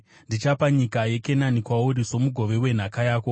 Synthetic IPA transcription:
ndit͡ʃapaɲikaje̞ke̞nanikwauɾiso̞muɡʱo̞ʋe̞we̞n̤akajaːko̞

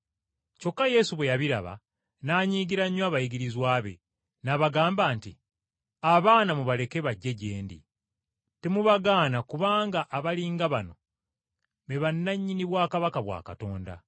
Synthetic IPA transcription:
co̞kːaje̞suβwe̞jaβiɾa̰βa̰ | naːɲiːɡiɾaɲːwaβajiɡiɾizwaːβe̞̰ | naβaɡaːmbaːnti | aβaːnamuβale̞ke̞βaɟːe̞ɟe̞ːndḭ | temuβaɡaːnakuβaːŋɡaʔːβaliːŋɡaβano̞ | βe̞βanːaɲːiniβwaːkaβakaβwa̰ːkato̞ːnda̰

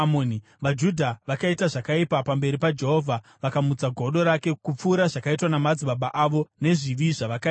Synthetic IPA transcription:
moni | ʋad͡ʒudʱaʋakaitaʐakaipapambe̞ɾipad͡ʒe̞ɦo̞vʱa | ʋakamud͡zaɡʱo̞ɗo̞ɾake̞kup͡fuːɾaʐakaitwanamad͡ziɓaɓaʔaʋo̞ne̞ʐiʋiʐaʋaka

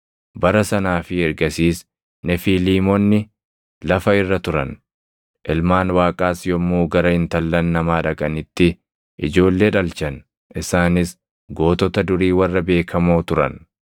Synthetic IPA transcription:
bɐɾɐsɐnaːfɪɛɾɡɐsiːs | nɛfiːliːmɔnːɪ | lɐfɐɪrːɐt̪ʊɾɐ̰n | ʔɪlmaːnwaːkʼaːsjɔmːuːɡɐɾɐhɪnt̪ɐlːɐnːɐmaːᶑɐkʼɐnɪt̪ːɪ | ʔɪd͡ʒo̞ːlːe̞ːᶑɐlt͡ʃɐn | ʔɪsaːnɪs | ɡo̞ːt̪ɔt̪ɐd̪ʊɾiːwɐrːɐbe̞ːkʰɐmo̞ːt̪ʊɾɐ̰n

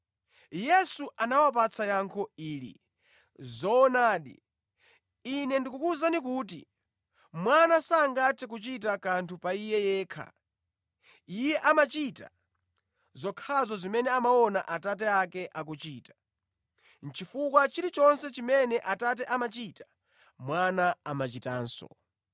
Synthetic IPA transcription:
jɛsuʔanawap̬at͡sʰajaŋkʰɔiːlḭ | zɔːnaːɗḭ | inɛndikukuzanikuːt̬ḭ | mwanasaːŋɡatʰɛk̬ut͡ʃit̬akantʰupaijɛjɛːkʰa̰ | ijɛʔamat͡ʃita̰ | zɔkʰazɔzimɛnɛamaɔnaʔatat̬ɛakɛʔak̬ut͡ʃiːtḁ | n̩t͡ʃifukwat͡ʃiɾit͡ʃɔnsɛt͡ʃimɛnɛʔatat̬ɛʔamat͡ʃiːtḁ | mwanaamat͡ʃita̰ːnsɔ̰

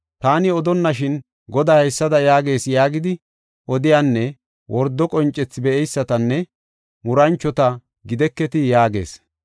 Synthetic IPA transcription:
t̪aːnɪɔd̪ɔnːɐʃɪn | ɡɔd̪aːhɛsːɐd̪ɐjaːɡe̞ːsjaːɡɪd̪ɪ | ʔɔd̪ɪjaːnːɛ | wʔɔɾd̪ːɔkʼɔnt͡ʃʼːɛt͡sːɪbɛʔɛjsːɐt̪ɐnːɛ | mʊɾɐnt͡ʃːɔt̪ɐ | ɡɪd̪ɛkːɛt̪ɪjaːɡe̞ːs

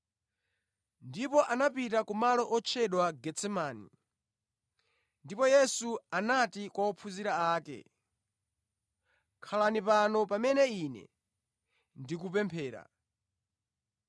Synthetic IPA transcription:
ndipɔʔanapitakumalɔʔɔt͡ʃʰɛɗwaɡɛt͡sɛmaːni | ndipɔjɛsuanatikwaɔpʰuziɾaaːkɛ̰ | kʰalanipanɔpamɛnɛiːnɛ̰ | ndikupɛmpʰɛːɾa̰

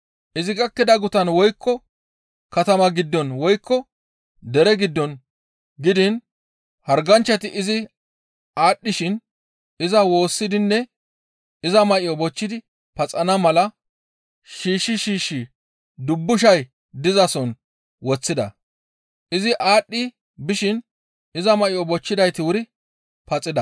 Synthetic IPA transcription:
ʔɪzɪɡɐkːɪd̪ɐɡʊt̪ɐnwɔjkːɔ | kɐt̪ɐmɐɡɪd̪ːɔnwɔjkːɔ | d̪ɛɾɛɡɪd̪ːɔn | ɡɪd̪ɪn | hɐɾɡɐnt͡ʃːɐt̪ɪʔɪzɪ | aːɗːɪʃɪn | ɪzɐwo̞ːsːɪd̪ɪnːɛ | ɪzɐmɐʔɪjɔbɔt͡ʃːɪd̪ɪ | pɐt͡sʼɐnɐmɐlɐ | ʃiːʃːɪʃiːʃːɪ | d̪ʊbːʊʃ̬ɐj | d̪ɪzɐsɔn | wɔt͡sːɪd̪ɐ̰ | ʔɪzɪʔaːɗːɪ | bɪʃɪn | ɪzɐmɐʔɪjɔbɔt͡ʃːɪd̪ɐjt̪ɪwʊɾɪ | pɐt͡sʼːɪd̪ɐ

